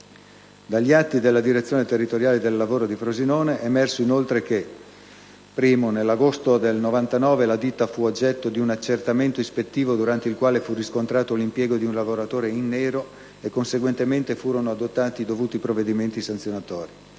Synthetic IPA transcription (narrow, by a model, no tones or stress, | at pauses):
d̪aʎːiat̪ːid̪elːad̪iɾet̪sːjoːnet̪erːit̪oɾjaːled̪elːavoːɾod̪ifɾozinoːneʔemɛrsoinolt̪ɾeke | pːɾiːmonelːaɡost̪od̪elnovant̪anɔːvelad̪it̪ːafuod͡ʒːɛt̪ːod̪iunat͡ʃːert̪ament̪oispet̪ːiːvod̪uɾant̪eilkwaːlefurːiskont̪ɾaːt̪olimpjɛːɡod̪iunlavoɾat̪oːɾeinːɛːɾo | ekːonseɡwent̪ement̪efuːɾonoad̪ot̪ːaːt̪id̪ovuːt̪ipɾovːed̪iment̪isant̪sjonat̪ɔːɾi